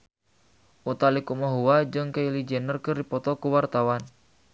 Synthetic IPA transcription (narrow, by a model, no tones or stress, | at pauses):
ʔut̪alikumaɦuwad͡ʒɨŋkailid͡ʒɛnərkɨrdipɔt̪ɔkuwart̪awan